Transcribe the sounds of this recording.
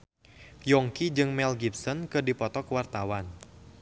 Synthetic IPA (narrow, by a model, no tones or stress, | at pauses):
jɔŋkid͡ʒɨŋmɛlɡipsɔnkɨdipɔt̪ɔkwart̪awan